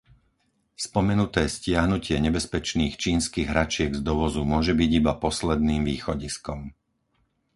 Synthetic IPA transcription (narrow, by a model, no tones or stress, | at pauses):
spɔmɛnut̪ɛːscɪaɦnucɪɛɲɛbɛspɛt͡ʃniːxt͡ʃiːnskiːɣɦɾat͡ʃɪɛɡzd̪ɔʋɔzumʊɔʒɛbiɟibapɔslɛd̪niːmʋiːxɔɟiskɔm